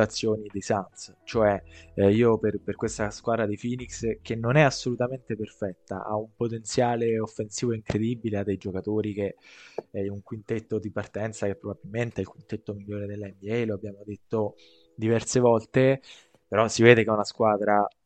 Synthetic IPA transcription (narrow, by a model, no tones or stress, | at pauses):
at̪sːjoːnid̪ejsans | t͡ʃoɛiːoperperkwest̪askwaːd̪ɾad̪efiːnikskenːonɛasːolut̪ament̪eperfɛt̪ːa̰ʔa̰umpot̪ent̪sjaːleofːensiːvoiŋkɾed̪ibilead̪ːejd͡ʒokat̪oːɾik̟eɛuŋkwint̪et̪ːod̪ipart̪ɛnt̪sakepːɾobabilment̪eilkwint̪et̪ːomiʎːoːɾed̪elːaɛmbiɛjloabːjaːmod̪et̪ːo | d̪ivɛrsevɔlt̪e | peɾɔsːiveːd̪ekeunaskwaːd̪ɾa